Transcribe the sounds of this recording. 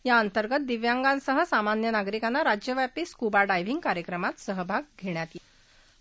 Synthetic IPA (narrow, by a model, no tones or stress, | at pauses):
jaənt̪əɾɡət̪̚d̪iʋjaŋɡãnsəɦəsamanjənaɡɾikanːaɾad͡ʑjəʋapiːskubaɖajʋ̤iŋɡkaɾjəkɾəmat̪səɦəbʱaɡ̚ɡʱeɳjat̪je